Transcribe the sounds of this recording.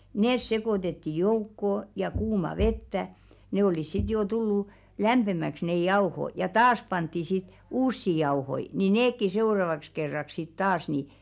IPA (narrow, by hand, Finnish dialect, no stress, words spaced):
neˑs sekoˑtetːi joukːoˑ jɑ kuːmɑ ʋetːæ ne olis sit joː tulːuˑ læmb̥emæks nej̆ jɑo̝ho jɑ tɑːs pɑntːi sit uːsːi jɑo̝hoi ni neːkːi seu̞rɑʋɑks kerːɑk sit tɑːs ni